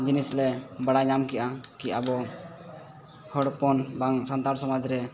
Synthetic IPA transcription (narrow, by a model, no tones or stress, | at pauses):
d͡ʒinislɛbaɽaɲamkiʔakiʔabɔ | hɔɽpɔnbaŋsant̪aɾsɔmad͡ʒɾɛ